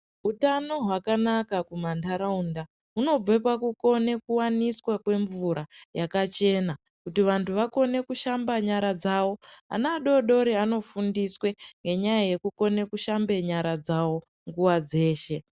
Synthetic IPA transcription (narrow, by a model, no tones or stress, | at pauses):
utanoɦwakanakakumantʰaɾaunda | ɦuno̞b͡vepakuko̞ne̞kuwaniswakwe̞ɱvuɾajakat͡ʃe̞ːna | kutiʋantʰuʋako̞ne̞kuʃambaɲaɾad͡zawo̞a̰naːɗo̞ɗo̞ɾiano̞fundiswe̞ŋɡe̞ɲajaje̞kuko̞ne̞kuʃambe̞ɲaɾad͡zawo̞ | ŋɡuwad͡ze̞ːʃe̞